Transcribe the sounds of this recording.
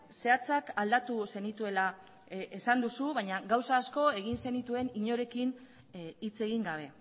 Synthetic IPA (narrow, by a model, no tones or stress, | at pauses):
se̞at͡sakald̪at̪use̞nit̪ue̞la | esand̪usuβajɲaɣawsaːsko̞e̞ɣ̞inse̞nit̪ue̞niɲo̞ɾe̞kin | it͡se̞ɣ̞iŋɡaβ̞e̞